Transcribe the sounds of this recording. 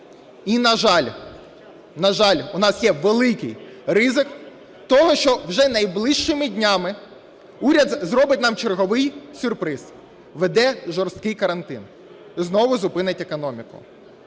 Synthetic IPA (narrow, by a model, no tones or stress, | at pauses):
inɐʒɑlʲ | nɐʒɑlʲʊnɑsjɛʋelˠɪkɪ̰jrɪzɪk | t̪ɔɦɔʃt͡ʃɔwʒɛnɐjblˠɪʃt͡ʃɪmɪdʲnʲɑmɪ | uɾʲɐd̪zɾɔbɪtʲnɑmt͡ʃerɦɔʋɪjsʲʊrpɾɪz | ʋed̪ɛʒɔrst̪kɪjkɐɾɐnt̪ɪ̰n | znɔʋʊzʊpɪnɪtʲekɔnɔmʲikʊ̰